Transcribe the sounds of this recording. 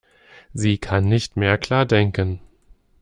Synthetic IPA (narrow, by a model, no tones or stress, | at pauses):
ziːkʰanːɪçtmeːɐkʰl̥aːɐdɛŋkən